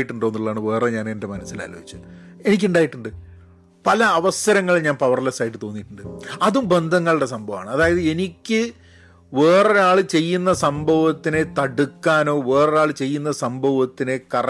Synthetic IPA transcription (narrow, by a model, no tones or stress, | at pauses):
jiʈːuɳɖoːnːuɭːɐaːɳɨʋe̞ːre̞ɲaːne̞nde̞mɐnɐsːila̰ːlo̰ːɦit͡ɕːu | e̞nik̬ʲːuɳɖaːjiʈːuɳɖɨ | pɐlɐːʋɐsɐɾɐŋːɐɭiɲaːnpɐʋɐrlɐsaːjiʈːɨt̪o̞ːnːiʈːuɳɖɨɐðumbe̞nd̪ʱɐŋːɐɭɨɽe̞s̬ɐmbʱɐʋa̰ːɳɨɐðaːjɐðɨe̞nikʲːɨ | ʋe̞ːreaːɭɨt͡ɕe̞jːunːɐsɐmbʱɐʋɐt̪ːine̞t̪ɐɽukːaːno̞ːʋe̞ːrɐaːɭɨt͡ɕe̞jːunːɐsɐmbʱɐʋɐt̪ːine̞kɐr